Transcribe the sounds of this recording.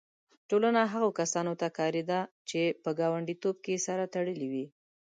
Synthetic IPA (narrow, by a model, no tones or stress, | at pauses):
ʈolanaɦaɣokasɑnot̪akɑɾed̪a | t͡ʃepəɡɑwaɳɖit̪ob̚kesaɾat̪aɽəliwi